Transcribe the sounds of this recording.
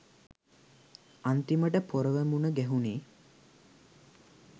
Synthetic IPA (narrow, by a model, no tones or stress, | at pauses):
ant̪iməʈəpoɾəʋemunəɡæɦuneː